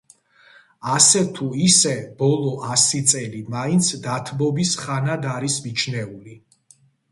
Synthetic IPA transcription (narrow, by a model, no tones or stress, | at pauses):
asɛt̪ʰuisɛb̥ɔlˠɔʔasit̪sʼɛlimaint̪sʰd̪at̪ʰbɔbisχanad̪aɾismit͡ʃʰnɛuli